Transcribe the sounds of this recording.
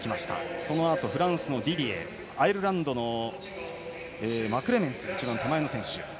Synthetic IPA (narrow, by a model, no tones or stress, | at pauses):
kʲimaɕi̥t̪a̰so̞no̞at̪o̞ɸɯ̟ɾãɰ̃sɨno̞d̪ʲiɾʲiḛ | aiɾɯ̟ɾãnd̪o̞no̞ | eːmakɯ̟ɾe̞mẽ̞nt͡sɨit͡ɕibãnt̪amaeno̞sẽ̞ɰ̃ɕɨ̰